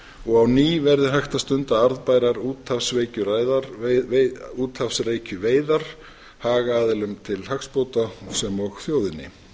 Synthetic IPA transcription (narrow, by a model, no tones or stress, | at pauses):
ɔɣawniːvɛɾðɪɦajxt̪ast̪ʏnt̪aaɾðpaːjɾaɾuːt̪hafsveːjcʏɾaːjðaɾ | uːt̪hafsreːjcʏveːjðaɾ̥ | haːɣaaːðɪlʏmt̪ʰɪlɦakspowt̪asɛmɔɣθjoːwðɪnːɪ̰